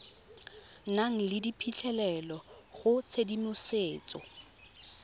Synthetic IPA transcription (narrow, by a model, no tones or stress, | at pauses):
naŋ̩lɪdipʰit͡ɬʰɛlɛlɔχʊt͡sʰedimʊseːt͡sʼɔ̰